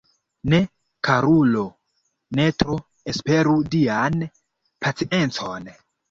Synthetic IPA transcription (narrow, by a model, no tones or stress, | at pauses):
ne̞ | kaɾulo̞ | ne̞tɾo | espe̞ɾudian | pat͡siʔe̞nt͡son